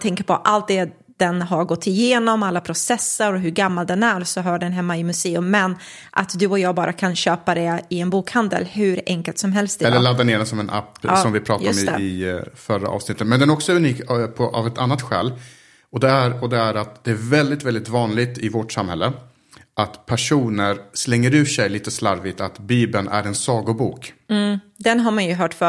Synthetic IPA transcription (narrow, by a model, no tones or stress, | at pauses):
t̪ʰɛŋkəɾpʰɔʔalt̪̚d̪ɛ | d̪̥ɛnɦaɾɡɔt̪ʰːɪjeːnɔmalːapʰɾʊsɛsːəɾɔɦɵɾɡamːald̪ɛnæɾsɔɦœːɖɛnɦɛmːaɪmɵseːɵmːɛn | ʔa̰t̪d̪ɵɔjɑːɡbɑːɾʔakʰanɕøːpad̪ɛɪɛnbuːkhand̪ə̰lhɵɾɛ̰ŋkəlt̪sɔmɦɛlst̪d̪ɛɛlːəɭad̪ːaneːɖɛnsɔmɛnʔa̰pːsɔmvɪpʰɾɑːt̪ja̰ɔmɛ̰ɪfœɾa̰ʔɑ̰ːvsnɪt̪ːət̪mɛnd̪ɛnæɾɔksɔʉniːkpʰɔʔa̰vɛt̪anːat̪ɧɛ̰ːl | ɔd̪ɛæɾɔd̪ɛæɾat̪d̪̥ɛæɾvɛld̪ɪt̪vɛld̪ɪt̪vɑːnlɪɡ̚t̪ɪvɔʈsamhɛ̰lːə | ʔat̪pʰæʂuːnəɾslɛŋːəɾʉ̟ːʂɛjliːt̪əslaɾvɪt̪at̪biːbənʔæ̰ɾɛnsɑːɡʊbuːk̩ː | d̪ɛnɦaɾmanjɵɦœːʈfœ